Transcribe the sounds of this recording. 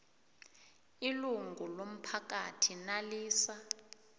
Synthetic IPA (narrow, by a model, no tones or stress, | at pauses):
iluŋʱulom̩pʰakatʰinaliːsa